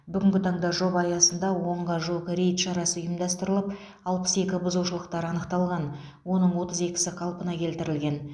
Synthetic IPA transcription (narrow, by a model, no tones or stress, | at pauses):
bʏɡʲɪŋɡʲɪt̪ʰɑɴd̪ɑʒo̞bɑjɑsənd̪ɑwo̞ɴʁɑʒoqɾʲejt̪ʃɑɾɑsəjəmd̪ɑst̪əɾəlˠəp | ɑlˠpə̥se̞kʲɪbʊzuʃəlˠəqt̪ɑɾɑnəqt̪ɑlˠʁɑn | wo̞nəɴwo̞t̪əze̞kʲɪ̥sɪqʰɑlˠpənɑkʲʰe̞lt̪ɪɾɪlɡʲe̞n